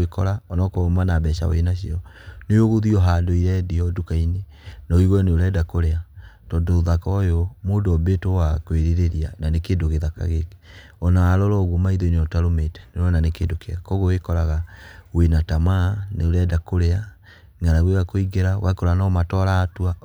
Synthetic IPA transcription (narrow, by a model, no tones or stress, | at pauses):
ekɔɾaɔnɔkɔomanabɛʃa̰wo̰enaɕiɔ | nejoɣoðiɔɦadoiɾɛdiɔdokaine | naoiɣɔneoɾɛdakoɾeatɔndoðakɔjɔmoːdɔbetowakweɾeɾeɾiananekendoɣeðaka̰ɣeke̥ | ɔnaaɾɔɾɔɣomaiðoneɔtaɾometɛ̥neɾɔnanekeːndokeakɔɣowekɔɾaɣawenatamaneoɾɛdakoɾea | ŋaɾaɣweɣakoiɡeɾawa̰kɔɾanamatɔɾaːtwa